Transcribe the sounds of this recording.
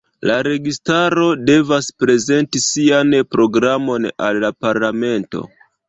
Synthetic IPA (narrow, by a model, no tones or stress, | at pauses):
laɾe̞ɡistaɾo̞de̞vaspɾe̞ze̞ntisianpɾo̞ɡɾamo̞na̰lːapaɾlame̞nto̰